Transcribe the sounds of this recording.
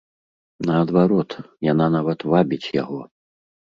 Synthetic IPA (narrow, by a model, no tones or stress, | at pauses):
nɐɐd̪vaɾɔt̪jananavɐt̪vabʲit͡sʲja̰ɣɔ